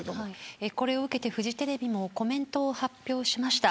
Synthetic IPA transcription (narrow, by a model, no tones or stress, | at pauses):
aieko̞ɾe̞o̞ɯ̟ke̞t̪e̞ɸɯ̟ʑit̪e̞ɾe̞bʲimo̞ko̞mẽ̞nt̪o̞ːhapʲjo̞ːɕimaɕi̥t̪a